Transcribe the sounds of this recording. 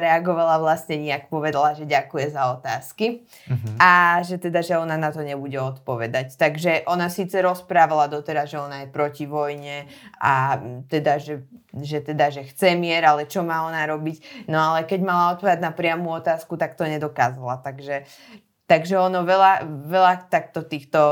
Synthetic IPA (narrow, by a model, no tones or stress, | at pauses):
ɾɛaɡɔʋalaʋlasɲɛɲiakpɔʋɛd̪alaʒɛɟakujɛzaɔt̪aːski | aʒɛt̪ɛd̪aʒɛɔnanat̪ɔɲɛbuɟɛɔt̪pɔʋɛd̪act̪aɡʒɛʔɔnasiːt͡sɛɾɔspɾaːʋalad̪ɔt̪ɛɾazʒɛɔnajɛpɾɔciʋɔjɲɛʔat̪ɛd̪aʒɛʒɛt̪ɛd̪aʒɛxt͡sɛmɪɛɾalɛt͡ʃɔmaːɔnaɾɔbicnɔalɛkɛɟmalaɔt̪̚pɔʋɛd̪ad̪napɾɪamuːɔt̪aːskut̪akt̪ɔɲɛd̪ɔkaːzalat̪aɡʒɛ | t̪aɡʒɛɔnɔʋɛlaʋɛlat̪ak̚t̪ɔt̪iːxt̪ɔ